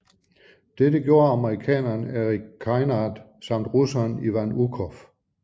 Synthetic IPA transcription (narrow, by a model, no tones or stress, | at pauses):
d̥edəɡ̥jo̝ːɐɑməʁikʰɛ̰ːnɐnæʁikʰːɑɪnɑd̥ | sɑ̈m̰d̥ʁusɐniʋænukʰɔf